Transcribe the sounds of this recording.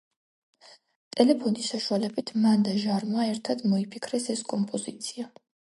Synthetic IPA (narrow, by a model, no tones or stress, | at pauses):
t̪ʼɛlɛpʰɔnisaʃualɛbit̪ʰmand̪aʒaɾmaɛɾt̪ʰad̪mɔipʰikʰɾɛsɛskʼɔmpʼɔzit̪sʰia